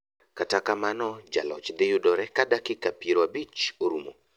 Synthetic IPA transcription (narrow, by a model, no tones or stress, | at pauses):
katakamanɔd͡ʒa̰lɔ̰t͡ʃd̪ɪjʊdɔɾɛkadakɪkapiɾoabit͡ʃoɾumo̰